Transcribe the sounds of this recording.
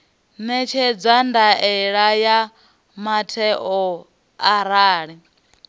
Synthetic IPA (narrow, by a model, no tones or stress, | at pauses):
nɛt͡ʃʰɛd͡zandaʔɛɺaja | matʰɛʔɔ | aɾaːɺɛ